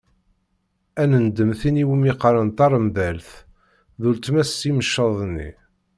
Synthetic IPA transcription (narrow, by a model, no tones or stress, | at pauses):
ænənd̪əmθiniwimiqɾənt̪ɑɾˤmðælθ | ðult̪mæsːiməʃːɑðˤnːḭ